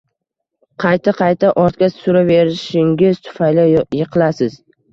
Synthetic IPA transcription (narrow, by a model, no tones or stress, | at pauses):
qʰɑjt̪ʰaqʰɑjt̪ʰaʔɒɾt̪̚kʲasʊɾave̞ɾɪʃɪŋʲɪz̥t̪ʰʊ̥fajlajɪqʰɨlasɪz̥